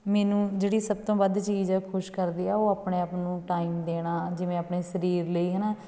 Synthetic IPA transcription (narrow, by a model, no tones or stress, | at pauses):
mɛːnũːd͡ʒeːɽiːsəb̚t̪õːbəd̪t͡ʃiːd͡ʒɛːkʰʊʃkəɾd̪iːɛːoːaːpɳeːaːpnũːʈaːiːmd̪eːɽ̃aːd͡ʒɪʋẽːapɳeːsəɾiːɾləiːɦɛːnaː